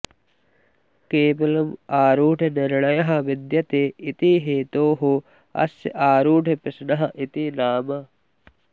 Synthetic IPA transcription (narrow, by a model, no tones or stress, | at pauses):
keːmɐlɐmaːɾuːʈʰenɪɾɳɐjɐɦɐ̆ʋid̪jɐt̪eːʔit̪iɦeːt̪oːɦo | ɐ̰sjʔaːɾuːʈʰɐpɪsnɐɦɐʔit̪inaːmɐ